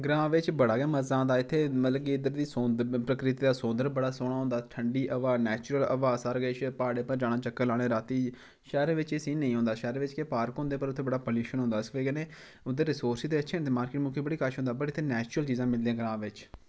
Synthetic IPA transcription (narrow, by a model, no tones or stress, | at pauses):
ɡɾãːʋɪt͡ʃbəɽaːɡɛːməzãːd̪aːɪt̪ʰːeːmət̪ləbkiːɪd̪əɾd̪iːsõd̪əpɾəkɾɪt̪iːd̪aːsʊ̃ːnd̪əɾbəɽaːsoːɽaːɦʊ̃nd̪aːʈʰəɳɖiːʔəʋaːnɛːt͡ʃʊɾələʋaːzaɾɡəʃpaːɽeːpəɾd͡ʒaːɽaːt͡ʃəkːəlaːɽ̃eːɾaːt̪iː | ʃɛːɾeːʋɪt͡ʃɪsĩːnəĩːɦõːnd̪aːʃɛːɾeːʋɪt͡ʃkepaːɾkɦʊ̃nd̪eːpəɾʊt̪ʰːeːbəɽaːpəliːʃənɦʊ̃nd̪aːɪsʋeːɡeneː | ʊd̪əɾːɪsoːɾsiːd̪eːəʃʰeːt̪eːmaːɾkɪʈmʊkʰeːbəɽiːkaːʃɦõnd̪aːbəɾːt̪ʰːeːnɛːt͡ʃɾəlt͡ʃiːzãːmɪld̪ijãːɡɾãːʋɪt͡ʃ